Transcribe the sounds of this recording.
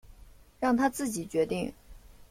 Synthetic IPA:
ɻɑ˥˩ŋt̪ʰa˥t͡sɹ̩˥˩t͡ɕi˨˩t͡ɕɥɛ˧˥t̪ḭ˥˩ŋ

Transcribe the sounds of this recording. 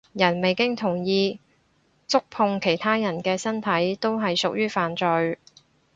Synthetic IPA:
jɐ˨˩nme˨jkɪ˥ŋt̪ʰʊ˨˩ŋjiː˧ | t͡sʊ˥k̚pʰʊ˧ŋkʰe˨˩jt̪ʰaː˥jɐ˨˩nkɛː˧sɐ˥nt̪ʰɐ˨˥jt̪o˥wɦɐ˨jsʊ˨k̚jyː˥faː˨nt͡sɵ˨ɥ

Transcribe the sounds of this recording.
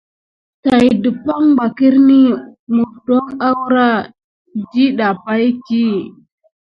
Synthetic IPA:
ta˨jdi˨pa˦ŋɡ͡ba˨ki˦ɾni˦mu˨do˦ŋa˦wɾa˦ | d͡ʒi˦ɗa˨pa˦jti˦

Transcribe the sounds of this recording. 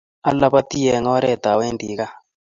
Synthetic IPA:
a˦lːa˦pa˦t̪i˦jɛ˨ŋɔ˦ɾɛ˦˨t̪a˨we˦nd̪i˨˦ka˦

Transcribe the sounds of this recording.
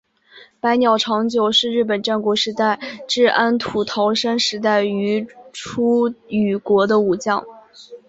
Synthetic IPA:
pa˧˥ɪnjɑ˨˩ʊʈ͡ʂʰɑ˧˥ŋt͡ɕjo˨˩ʊʂɻ̩˥˧ɻɻ̩˥˩p̬ə˨˩nʈ͡ʂa˥˩nkwɔ˧˥ʂɻ̩˧˥t̪a˥˩ɪʈ͡ʂɻ̩˥˩ʔa˥nt̪ʰu˨˩t̪ʰɑ˧˥ʊʂa˥nʂɻ̩˧˥t̪̬a˥˩ɪy˧˥ʈ͡ʂʰu˥y˨˩kwɔ˧˥d̪ə˧u˨˩t͡ɕjɑ˥˩ŋ

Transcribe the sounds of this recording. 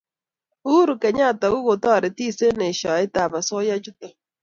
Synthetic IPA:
u˦ɾu˨ke˨ɲa˦˨ta˨ɣʊ˦ɣo˨tɔ˦˨ɾe˨ti˦˨se˦ne˨ʃɔ˨ɪ˦ta˨ma˨sɔ˦ja˦d͡ʒʊ˦ta˨

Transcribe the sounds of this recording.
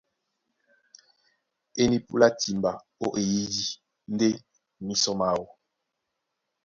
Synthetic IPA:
e˦ni˦pu˦la˦ti˨mba˨ | o̰˦ʔe˨ji˦di˦ | n˦de˦ | mi˦sɔ˦ma˦˨wɔ˨

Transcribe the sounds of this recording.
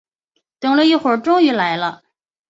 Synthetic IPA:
t̪ɤ˧˥ŋlə˧i˥˩xwə˨˩˥ʈ͡ʂʊ˥ŋy˧˥la˧˥ɪlə˧

